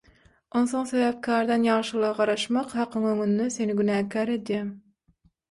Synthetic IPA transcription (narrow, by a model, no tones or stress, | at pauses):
onθoŋseβæp̚kʰæːɾd̪ɑnjɑːʃɯlˠɯʁɑʁɑɾɑʃmɑqhɑqʰɯŋøŋynːese̞niɡynæːkʰæːɾe̞d̪jæːm